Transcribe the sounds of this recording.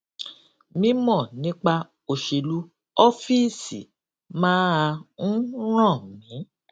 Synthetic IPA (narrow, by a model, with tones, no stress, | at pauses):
mĩ˦mɔ̃˦˨nĩ˦k͡pa˧ | o˧ʃe˧lu˦ | ɔ˦fi˦si˨ | mãː˦a˧n̩˦ɾ̃ã˦˨mĩ˨˦